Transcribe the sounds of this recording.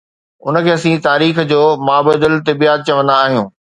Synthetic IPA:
ʊ̰nəkʰeːɐsĩt̪aːɾiːxd͡ʑoːmaːbəd̪ɪlt̪ɪbiːaːt̪̚t͡ɕɐʋə̃nd̪aːɦijũː

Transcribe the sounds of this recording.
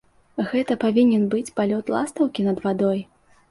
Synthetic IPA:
ɣɛt̪ɐpavʲinʲɛnbɨt͡sʲpalʲɔt̪lˠast̪ɐwkʲinɐd̪vad̪ɔj

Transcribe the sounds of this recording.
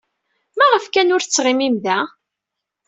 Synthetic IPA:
mæʁəfkænʊɾθt͡sːʁimimðæ

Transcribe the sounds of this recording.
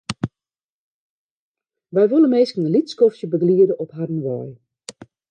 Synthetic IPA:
ʋɛjʋølˠənmeːskənəlitskɔftjəbəɡliədəʔɔpɦadən̩ʋɔ̰j

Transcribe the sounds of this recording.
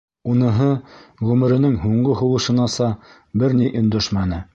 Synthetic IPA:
unɤ̆ɦɤʁʉmɘ̆ɾɘ̆nɘŋɦuɴɢɤɦŏwɤ̆ʃɤ̆nɑsɑ | bɘɾniʔɵ̆nd̪ɵʃmænɘ

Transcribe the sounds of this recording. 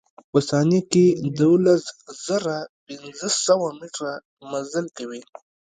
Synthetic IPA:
pəsɑneked̪ulaszəɾapɪnzəsawamiʈɾa | mazəlkawi

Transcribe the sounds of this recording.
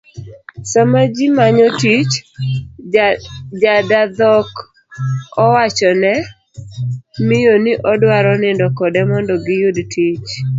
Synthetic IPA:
samad͡ʒimaɲɔtit͡ʃ | d͡ʒadad̪ɔk | ɔwat͡ʃɔnɛ | mɪjoniʔɔdwaɾɔnɪndɔkɔdɛmɔndɔɡɪjudtʰit͡ʃ

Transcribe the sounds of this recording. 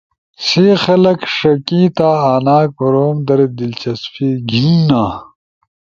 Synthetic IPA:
sixɐlɐkʂɐkĩːt̪aːaːnaːk̚pɐɾoːmd̪ɐɾed̪ilt͡ɕɐsfiːɡʱinnãː

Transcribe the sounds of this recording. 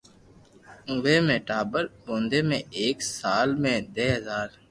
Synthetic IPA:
ʋeːmẽːʈaːbəɾbõːnd̪eːmẽːeːksaːlmẽːd̪eːɦəzaːɾ

